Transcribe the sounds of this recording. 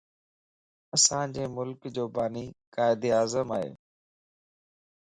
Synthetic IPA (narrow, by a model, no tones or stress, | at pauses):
ɐsãːd͡ʑeːmʊlkd͡ʑoːbaːniːkaːɪd̪iːaːzəmaːɦḛː